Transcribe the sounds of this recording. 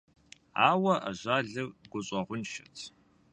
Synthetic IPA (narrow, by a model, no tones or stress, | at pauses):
a̰ːwɐʔa̰ʑʷaːɮɨɡʷʊɕʼɐʁʷʊnʃɐtʰ